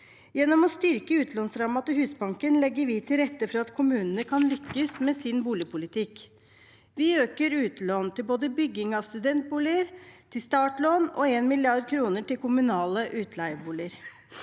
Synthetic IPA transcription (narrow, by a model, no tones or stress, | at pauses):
jɛnːɔmɔst̪ʏɾkəʉːt̪ʰlɔːnsɾɑːmɑt̪əhʉːsbɑŋkənlɛɡːəɾʋɪt̪ʰɪlɾɛt̪ːəfɔɾɑɑt̪kʰʊmʉːnənəkʰɑnlʏkːəsmeːsɪnbuːlɪpʰʊlɪt̪ʰɪk | ʋɪøːkəɾʉːt̪loːnt̪ʰɪlboːd̪əbʏɡɪŋɑʋst̪ʉd̪ɛnt̪̚buːlɪəɾt̪ʰɪlst̪ɑːʈloːnɔ̰eːnmɪlɪɑɾd̪̚kʰɾuːnəʈɪlkʊmʉnɑːləʔʉːt̪ʰlæɪəbuːlɪəɾ